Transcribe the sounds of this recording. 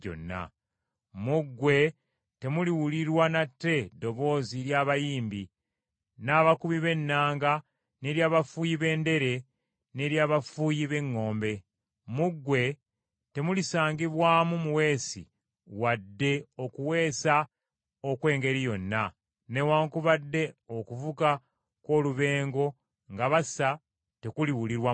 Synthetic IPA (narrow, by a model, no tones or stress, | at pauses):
o̰nːa̰ | muɡːwe̞ | te̞muliwuliɾwanatːe̞do̞βo̞ːziɾjaːβajiːmbi | naːβakuβiβe̞nːaːŋɡa | ne̞ɾjaːβafuːjiβe̞ːnde̞ɾe̞ | ne̞ɾjaːβafuːjiβe̞ŋːo̞ːmbe̞ | muɡːwe̞ | te̞mulisaːŋɡiβwaːmumuwe̞ːsḭ | wadːe̞o̞kuwe̞ːsa | okwe̞ːŋɡe̞ɾijo̞nːa | ne̞waːŋkuβadːe̞o̞kuvuka | ko̞ːluβe̞ːŋɡo̞ | ŋɡaβasa | te̞kuliwuliɾwa